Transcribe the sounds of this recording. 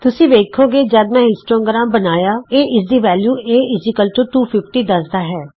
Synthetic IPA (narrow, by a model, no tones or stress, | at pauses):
t̪ʊsĩːʋeːkʰoːɡeːd͡ʒəd̪mɛ̃ːɦɪsʈɾõːŋɡɾãːmbənaːjaːeːʔɪsd̪iːʋɛːljuːeːɪd͡ʒɪkəlt͡ʃoʈuːpʰɪpʈiːd̪əsd̪aːɦɛː